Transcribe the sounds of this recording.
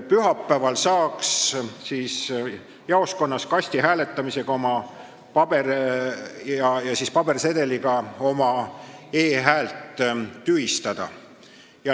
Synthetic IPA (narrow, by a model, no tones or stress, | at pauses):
pyɦɑpːæːvɑlsɑːkssiːs | jɑo̞sko̞nːɑskɑsʲt̪iɦæːle̞t̪ˑːɑmise̞ɡ̥ɑo̞mɑ | pɑb̥e̞r | jɑjɑsiːspɑb̥e̞rse̞d̪̥e̞liɡ̥ɑo̞mɑe̞ːɦæːlt̪ˑːyhist̪ɑd̪̥ɑ̰ | jɑ